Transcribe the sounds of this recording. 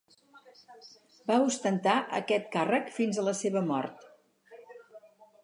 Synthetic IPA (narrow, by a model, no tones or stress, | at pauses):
baust̪ənt̪aʔə̰kɛt̪̚karəkfinzələseβəmɔ̰rt̪